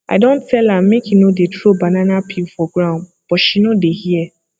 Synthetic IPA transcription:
a̰ɪdõntʰɛlãmːekinodetʰɹobanãnapʰipfɔɡɹãʊ̃nd | b̥ɔʃinodehiɛ

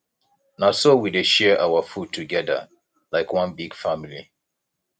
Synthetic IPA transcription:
nasowideʃɛʔawəfud̚tʰuɡɛðə̰ | laɪkwʌ̃nbiɡ̥familḭ

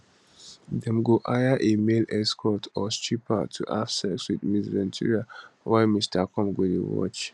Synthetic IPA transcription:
dɛ̃mɡoʔajaʔemelɛskʰɔtʰɔstipʰatʰṵʔafsɛswidmizvɛ̃ntʰḭɹiawaɪmistʰakɔ̃mɡedḭwɔ̰t͡ʃ

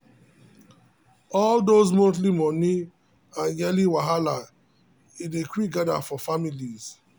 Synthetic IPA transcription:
ɔldozmot̬limɔni | ãnjɛliwaɦala | idekwik̚ɡada̰fɔfamiliz̥

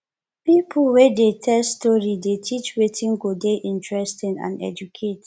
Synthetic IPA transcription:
pipʰəlwɛdetʰɛlstɔɹidetʰit͡ʃwetʰĩnɡodeʔĩntʰɹɛstĩnã̰nɛ̰d͡ʒukʰet

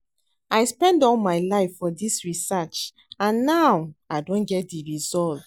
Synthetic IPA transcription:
aɪspɛ̃ndɔ̃nmaɪlaɪfːɔdisɹisat͡ʃ | ãnːawaɪdõnɡɛt̚diɹizɔlt

